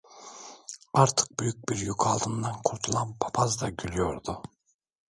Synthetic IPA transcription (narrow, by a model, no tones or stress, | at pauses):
aɾt̪ʰɯ̥k̚byjyc̚biɾjokʰalˠd̪ɯnd̪ankʰuɾt̪ʰulˠanpʰḁpʰazd̪aɟylʲyjoɾd̪ʊ